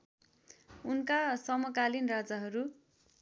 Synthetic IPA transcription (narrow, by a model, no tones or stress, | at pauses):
unkasʌmʌkalinrad͡zʌɦʌɾu